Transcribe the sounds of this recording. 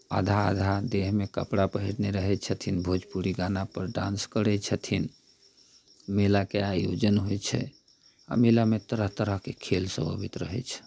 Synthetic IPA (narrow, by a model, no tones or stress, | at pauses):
a̰d̪ʱa̰d̪ʱad̪eɦmekəpɽapəɦiɽneɾəɦɛt͡ʃʰət̪ʰinbʱod͡ʒpuɾiɡanapəɾɖã̰nskəɾɛt͡ʃʰət̪ʰin | melakeajo̰d͡ʒənɦojt͡ʃʰɛ̰ | ə̰melamet̪əɾəɦt̪əɾəɦkekʰelsə̰̃bəbit̪ɾəɦɛ̰t͡ʃʰ